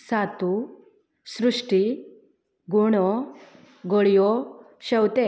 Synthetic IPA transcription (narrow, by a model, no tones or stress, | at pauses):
saːt̪u | sɾuʂʈi | ɡuɳo | ɡoɭijo | ʃɐwt̪e